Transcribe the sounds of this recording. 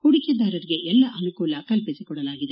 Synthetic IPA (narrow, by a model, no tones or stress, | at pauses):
kuɽikɐd̪aːɾɐɾiɡe̞ʔɛlːɐʔɐnukuːlɐkɐlpisikɔɽɐlaːɡid̪e